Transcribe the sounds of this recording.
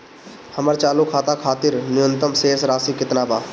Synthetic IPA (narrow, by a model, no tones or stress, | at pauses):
həməɾt͡ʃaːlukʰaːt̪akʰaːt̪ɪɾnɪjə̃nt̪əmseːsɾaːsikɪt̪naːbaː